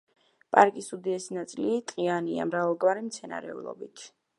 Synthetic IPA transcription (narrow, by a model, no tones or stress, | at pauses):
pʼaɾkʼisud̪iɛsinat̪sʼilit̪ʼqʼiania̰mɾavalˠɡvaɾimt̪sʰɛna̰ɾɛ̰ṵlˠɔ̰bit̪ʰ